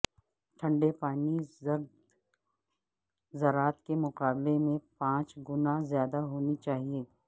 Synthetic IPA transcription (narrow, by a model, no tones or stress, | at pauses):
ʈʰɐ̃ɳɖepaːnizɐɾd̪ | zɐɾaːt̪kemʊqaːblemẽpãːt͡ʃɡʊnazjaːd̪aɦoːnit͡ʃaːɦieː